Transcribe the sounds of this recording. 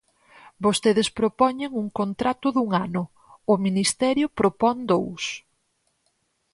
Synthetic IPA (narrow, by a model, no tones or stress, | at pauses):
bost̪eðɪspɾopɔɲeŋuŋkont̪ɾat̪ʊðuŋanʊ | ʊminist̪ɛɾjʊpɾopɔŋd̪ows